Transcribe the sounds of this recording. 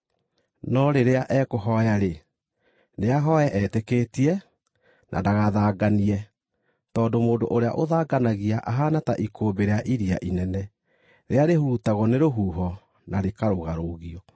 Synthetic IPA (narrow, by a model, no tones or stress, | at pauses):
nɔɾeɾeaʔɛkoɦɔjaɾe | neaɦɔjɛʔɛtekeːtiɛ | nʔa̰daɣaðaːɡaniɛ | tɔːndomoːdo̰ʔoɾea̰ʔoðaːɡanaɣiaʔaɦanataʔikʰoːmbeɾeaʔiɾia̰ʔinɛnɛ | ɾʔeaɾehuɾutaɣɔneɾoɦuːɦɔ | naɾekaɾoɣaɾoɣiɔ